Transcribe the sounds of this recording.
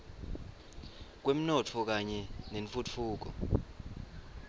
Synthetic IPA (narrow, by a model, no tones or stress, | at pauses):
k̬wem̩nɔt͡fʰɔk̬aɲɛneɱfut͡fʰuːk̬ɔ̰